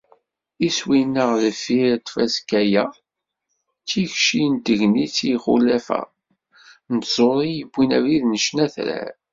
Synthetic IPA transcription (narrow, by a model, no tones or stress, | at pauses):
iswinːəʁləfiɾt̪fæskæjæ | t͡sːiçʃint̪əʝnit͡sːiχṵlæfæ̰ | nət̪z̥ˤoɾˤijəbʷːinæviðnəʃnæθɾæ̰ɾ